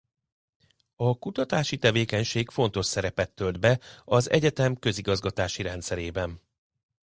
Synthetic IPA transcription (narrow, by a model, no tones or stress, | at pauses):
ɒkut̪ɒt̪aːʃit̪ɛveːkɛɲʃeːkfo̞n̪t̪o̞ʃsɛɾɛpɛt̪ːøld̪bɛɒzɛ̰ɟɛt̪ɛmkø̞ziɡɒzɡɒt̪aːʃiɾɛnt̪sɛɾeːbɛn